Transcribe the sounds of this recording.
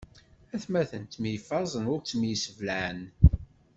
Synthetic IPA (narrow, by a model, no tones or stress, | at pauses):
æθmæθənt̪mjəfɑzˤənʊɾt͡sːmjəsəvləən